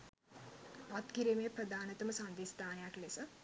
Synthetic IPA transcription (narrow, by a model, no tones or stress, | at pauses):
at̪kiɾimejɐpɾɐd̪aːnɐt̪ɐmɐsand̪ist̪aːnɐjaklesɐ